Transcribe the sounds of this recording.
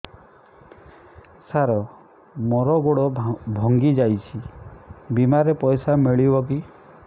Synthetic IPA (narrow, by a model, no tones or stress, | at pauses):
saɾɔ | mɔɾɔɡoɽɔbʱɔŋɡid͡ʒajt͡ʃʰi | bimaɾepɔjsameɭibɔk̬i